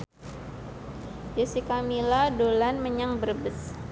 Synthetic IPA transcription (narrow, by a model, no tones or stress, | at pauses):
jəsikamiladolanməɲaŋbərbəs